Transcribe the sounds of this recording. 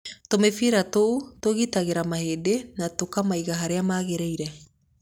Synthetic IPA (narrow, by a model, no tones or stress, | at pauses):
tomefiɾatoutoɣitaɣeɾamahedenatokamaiɣaɦaɾeamaːɣeɾejɾɛ